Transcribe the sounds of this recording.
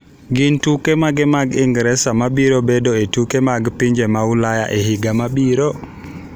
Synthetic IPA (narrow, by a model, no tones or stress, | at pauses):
ɡintukɛmaɡɛmaɡiŋɡɾɛsamaɓiɾɔbɛdɔɛtukɛmaɡpiɲd͡ʒɛmawulaja̰ʔɛhiɡamaɓiɾɔ